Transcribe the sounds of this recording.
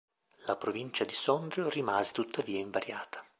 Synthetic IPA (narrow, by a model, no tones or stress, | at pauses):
lapɾovint͡ʃad̪isɔnd̪ɾjorimaːzet̪ut̪ʰːaviːaiɱvaɾjaːt̪ḁ